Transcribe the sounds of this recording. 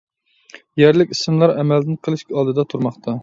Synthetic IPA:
jɛɾlɪkʲismlˠɑɾɛmɛld̪ɪnqʰəlˠɨʃkʲɑːd̪ɨd̪ɑt̪ʰuɾmɑχt̪ʰɑ

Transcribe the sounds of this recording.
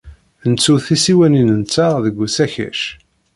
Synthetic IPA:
nt͡sːuθisiwæninənt͡sːaðəɡʷːusæçæ̰ʃ

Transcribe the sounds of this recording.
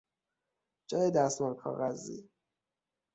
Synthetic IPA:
d͡ʒɒːjed̪æst̪mɒnkʰɒ̰ːɣæzḭ

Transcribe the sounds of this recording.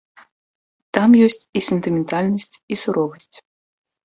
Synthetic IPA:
t̪amjɔsʲt͡sʲisʲɛnt̪ɨmʲɛnt̪alʲnɐsʲt͡sʲisuɾɔvɐsʲt͡sʲ

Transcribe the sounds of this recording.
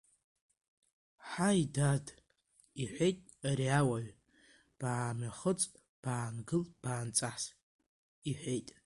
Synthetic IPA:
ħajdad | iħʷejtʼ | aɾiawaɥ | b̥aːmaχət͡sʼ | b̥aːnɡɨlb̥aːnt͡sʼaħs | iħʷejtʼ

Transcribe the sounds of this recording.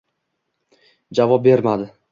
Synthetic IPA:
d͡ʒavɒp̚be̞ɾmad̪ɪ

